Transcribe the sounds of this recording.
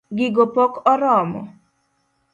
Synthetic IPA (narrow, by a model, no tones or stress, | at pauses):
ɡɪɡopɔkɔɾɔmɔ̰